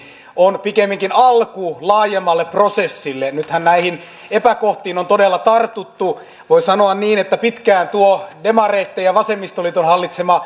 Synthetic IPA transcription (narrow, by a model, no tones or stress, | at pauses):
onpikemːiŋkinɑlkulɑːjemːɑlːeprosesːilːenyt̪hænnæihin | epækoht̪iːnont̪odelːɑt̪ɑrt̪ut̪ːu | ʋoisɑnoɑnniːnet̪ːæpit̪kæːnt̪uodemɑreːt̪ːejɑʋɑsemːist̪olit̪onhɑlːit̪semɑ